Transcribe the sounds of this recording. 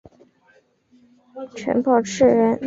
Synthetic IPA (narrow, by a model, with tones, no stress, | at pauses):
ʈ͡ʂʰə̰˧˥npɑ˥˧ʊʈ͡ʂʰɻ̩˥˩ɻə˧˥n